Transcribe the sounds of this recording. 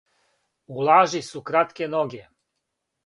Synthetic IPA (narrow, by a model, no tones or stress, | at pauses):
ulˠaːʒisukɾat̪kenoɡe